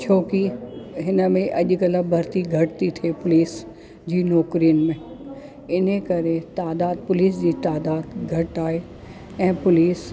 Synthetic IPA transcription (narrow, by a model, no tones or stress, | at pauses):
t͡ɕʰoːkiɦɪnə̆mẽʔɐʄ̆kɐləbʱɐɾt̪iɡʱɐʈt̪it̪ʰeːpʊliːs | d͡ʑiːnɔːkɾijənmẽ | ɪnekɐɾet̪aːd̪aːd̪̚pʊliːsd͡ʑiːt̪aːd̪aːd̪ɡʱɐʈaːɦe | ɛ̃ːpʊliːs